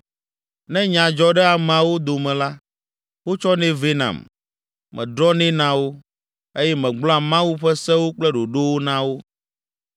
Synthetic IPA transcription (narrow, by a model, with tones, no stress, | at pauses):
nɛ̃˦ɲã˨d͡ʒɔ˦ɖɛ˦a˨m˨ã˨wo˦d̪o˨mɛ̃˨la˦ | wo˦t͡ʃɔ˦nɛ̃˦ve˦nã̰˨m | mɛ̰̃˨d̪ɾɔ˦nɛ̃˦nã˦wo˦ | e˦jɛ˦mɛ̃˨ɡ͡blɔ̃˦a˨mã˦wu˦ɸɛ˦sɛ̃˦wo˦k͡plɛ˦ɖo˨ɖo˦wo˦nã˦wo˦